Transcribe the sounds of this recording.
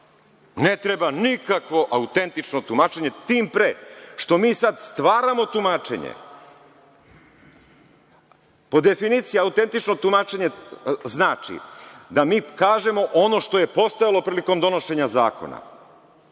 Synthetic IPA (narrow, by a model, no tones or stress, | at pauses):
ne̞t̪ɾebanikakʋo̞ʔaut̪e̞nt̪it͡ʃno̞t̪umaːt͡ʃe̞ɲe̞t̪iːmpɾeʃt̪o̞miːsad̪st̪ʋaːɾamo̞t̪umaːt͡ʃe̞̰ɲḛ | po̞d̪e̞finiːt̪sijiaut̪e̞nt̪it͡ʃnot̪umaːt͡ʃeɲe̞znaːt͡ʃḭd̪amiːkaːʒe̞mo̞ʔo̞no̞ʃt̪o̞je̞po̞st̪ojalˠo̞pɾiːliko̞md̪o̞no̞ʃe̞ɲaza̰ːko̞̰na̰